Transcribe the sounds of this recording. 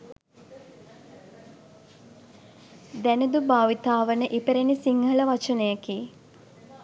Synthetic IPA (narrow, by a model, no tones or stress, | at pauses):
d̪ænəd̪ubaːʋit̪aːʋənəʔipeɾenisiŋɡələʋat͡ʃənəjəki